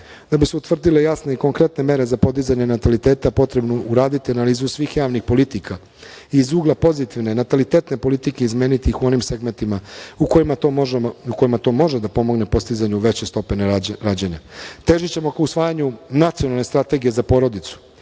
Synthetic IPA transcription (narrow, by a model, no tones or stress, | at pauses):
d̪̥abiseut̪ʋr̩d̪ile̞jasne̞iko̞ŋkɾe̞t̪ne̞me̞ɾe̞zapo̞d̪izaɲenat̪alit̪e̞ːt̪apo̞t̪ɾe̞bnouɾaːd̪it̪ianaliːzusʋiːxjaːʋnixpo̞lit̪ikʰa | izuːɡlˠapo̞zit̪iʋne̞nat̪alit̪eːt̪ne̞po̞lit̪ikeizme̞ːnit̪ixuo̞nimse̞ɡme̞nt̪imauko̞jimaouko̞jimat̪o̞mo̞ʒed̪apo̞mo̞ɡne̞po̞st̪izaɲuʋe̞t͡ɕe̞st̪o̞peneɾaːd͡ʑeɲat̪e̞ːʒit͡ɕe̞mo̞kausʋaːjaɲunat̪sijo̞nalne̞st̪ɾat̪e̞ɡije̞zapo̞ɾo̞d̪it̪su̥